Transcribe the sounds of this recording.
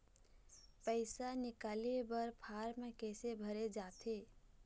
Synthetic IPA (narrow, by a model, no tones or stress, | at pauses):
pəɪsanɪkaːlebəɾpʰaːɾmẽkɛːsebʱəɾed͡ʒaːt̪ʰeː